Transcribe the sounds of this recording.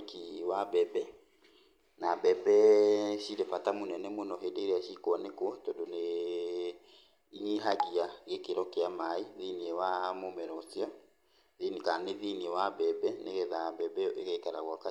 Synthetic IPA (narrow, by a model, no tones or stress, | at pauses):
kiwabɛbɛ | nabɛbɛʃiɾefatamonɛnɛmonɔɦedeɾaʃikwɔnekwɔtɔdone | iɦaɣiaɣekeɾɔkeamaiðiniewamomɛɾɔsjɔ | ðinikaneðiniewabɛbɛneɣɛðabɛbɛʔeɣɛikaɾaɣwaka